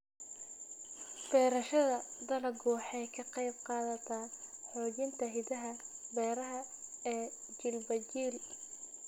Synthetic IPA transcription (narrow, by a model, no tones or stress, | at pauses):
fɛːɾɐʃɐðɐd̪ɐlɐɡɔːħɛjkʰɐqɑjbqɑːðɐt̪ʰaːħɔːt͡ʃɪnt̪ʰɐɦɪd̪ɐɦɐbɛːɾɐɦɐɛː | t͡ʃɪlbɐt͡ʃiːl